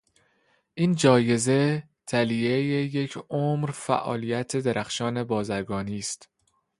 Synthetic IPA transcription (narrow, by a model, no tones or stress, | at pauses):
ʔiːnd͡ʒɒːje̞ze̞ | t̪ʰæliejejecʰomɾfæ̰ʔɒ̰ːlijæt̪ʰe̞d̪eɾʔæxʃɒːne̞bɒːzæɾɡɒːniːst̪